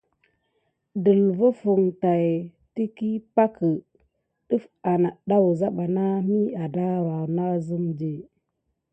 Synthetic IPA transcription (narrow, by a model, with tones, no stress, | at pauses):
də˨lvə˦fu˨ŋta˨j | ti˦ki˦pa˦kə˨ | ɗə˦fa˨na˨ɗa˦wu˨za˦ɓa˨na˦mi˦a˨da˦˨ɾa˨na˦zə˦md͡ʒe˨